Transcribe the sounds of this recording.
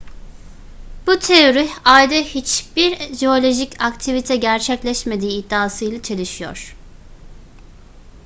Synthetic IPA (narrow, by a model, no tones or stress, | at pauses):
b̥ut̪ʰeoɾihajd̪ahit͡ʃb̥iɾʒeo̞lʲo̞ʒicakt̪ʰivit̪ʰɛɟæɾt͡ʃʰɛclʲɛʃme̞d̪iːd̪ːaːsɯjlˠat͡ʃʰe̞lʲiʃijo̰ɾ̥